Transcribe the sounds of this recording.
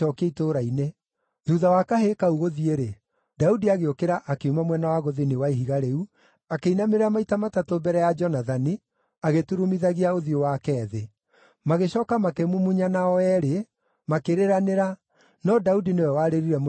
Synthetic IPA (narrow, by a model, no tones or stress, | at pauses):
ɔkeitoɾaine | ðuðawakaɦekauɣoðieɾe | daudiaɣeokeɾaʔakeumamwɛnawaɣoðinewaiɦiɣaɾeu | akeinameɾeamaitamatatobɛɾɛjad͡ʒɔnaðani | aɣetuɾumiðaɣiaoðiowakɛːðe | maɣeɕɔːkamakemumuɲanaɔɛɾe | makeɾeɾaneɾa | nɔdaudinewɛwaɾeɾiɾɛm